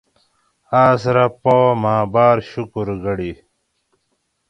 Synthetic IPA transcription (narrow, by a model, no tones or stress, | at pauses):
aːsɾapowmaːbaːɾɕukuɾɡɐɽi